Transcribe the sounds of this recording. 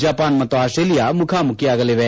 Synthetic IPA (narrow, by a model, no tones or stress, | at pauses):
d͡ʒaːpaːnmɐt̪ːoaːsʈɾeːlijamʊkʰamʊkʰjiaːɡɐleʋe